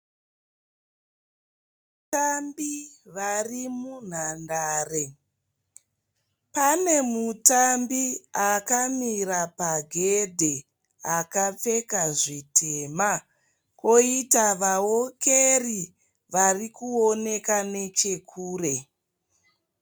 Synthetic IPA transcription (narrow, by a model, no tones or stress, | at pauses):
tambiʋarimun̤andaːre̞ | pane̞mutambiakamirapaɡʱe̞dʱe̞ | akap͡fe̞kaʐitʰema | ko̞itaʋawoke̞ri | ʋarikuone̞kane̞t͡ʃe̞kʰuːre̞